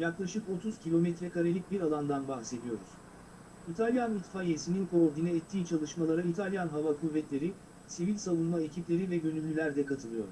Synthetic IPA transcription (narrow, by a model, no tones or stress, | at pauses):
jaklˠaʃɯko̞t̪ʰuz̥cʰilʲo̞mɛt̪ɾɛkaɾelʲic̚biɾalˠand̪anbaxse̞d̪ijo̞ɾuz̥ | it̪ʰalʲjanit̪fajesininkʰoɾd̪inɛɛt̪ʰːiːt͡ʃʰalˠɯʃmalˠaɾait̪ʰalʲjanɦavakʰuvːɛt̪lʲe̞ɾi | sivilʲsavunmaecʰiplʲe̞ɾivɛɟø̞nylʲːylʲæɾd̪ɛkat̪ʰɯlˠɯjo̞̰ɾ